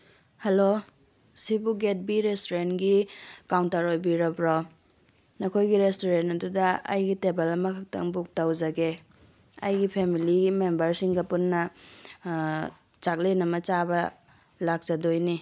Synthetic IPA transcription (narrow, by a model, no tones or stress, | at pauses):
hɐlo | sibuɡet̚biɾestoɾenɡikawntɐɾojbiɾɐbɾo | nɐkʰojɡiɾestoɾentɐdudɐɐ̰jɡitebɐlɐmɐkʰɐk̚tɐ̰ŋbuk̚tɐwzɐɡe | ɐ̰jɡipʰemilimembɐɾsiŋɡɐpunːɐ | t͡ʃak̚lenɐmɐt͡ʃabɐ | lak̚zɐdojni